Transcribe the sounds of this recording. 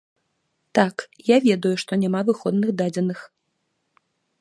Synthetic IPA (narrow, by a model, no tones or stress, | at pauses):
t̪akjavʲɛd̪ujuʂt̪ɔnʲamavɨxɔd̪nɨxd̪ad͡zʲɛnɨx